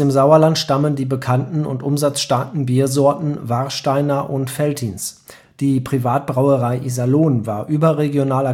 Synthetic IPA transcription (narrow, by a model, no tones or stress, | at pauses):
eːmzaʊɐlantʃtaməndiːbəkʰantn̩ʊ̰ntʔʊmzat͡sʃtaːkn̩biːɐzɔɐtn̩vaʁʃtaɪnɐʔʊntfɛltʰiːns | d̥iːpʁ̥ivaːt̚b̥ʁaʊəʁaɪʔizaloːnvaːɐʔyːbɐʁeɡjonaːlɐ